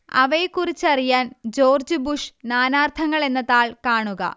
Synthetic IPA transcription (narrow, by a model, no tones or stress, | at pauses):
ɐ̰ʋejkːurit͡ɕːɐrijaːnd͡ʑo̞ːrd͡ʑubuʂnaːnaːrt̪ʰɐŋːɐɭe̞nːɐðaːɭkaːɳuɣɐ̰